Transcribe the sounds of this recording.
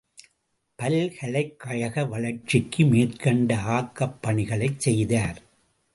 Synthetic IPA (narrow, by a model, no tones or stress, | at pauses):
pɐlhɐɭɐɪkːɐɻɐɣɐʋɐɭɐɾt͡ʃːɪkːɯmeːrkɐɳɖɐaːkːɐpːɐɳɪɣɐɭɐɪt͡ʃsɛjðaːɾ